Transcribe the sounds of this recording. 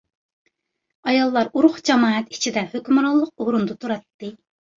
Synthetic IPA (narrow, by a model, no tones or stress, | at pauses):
ɑjɑlˠːɑɾuɾʊχd͡ʒɛmɑːɛt̪i̥t͡ʃʰid̪ɛhøkʲymɾɑlˠːəq̚oɾund̪ut̪ʰuɾɑt̪ːɨ